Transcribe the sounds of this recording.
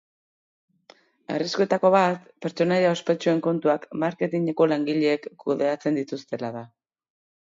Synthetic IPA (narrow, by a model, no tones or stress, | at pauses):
a̰riskue̞t̪ako̞βat̪pe̞ɾt͡ʃo̞najaospe̞t͡ʃue̞ŋko̞nt̪uakmaɾke̞t̪iɲeko̞laŋɡiʎeːkːuðe̞at͡se̞nd̪it̪ust̪e̞laða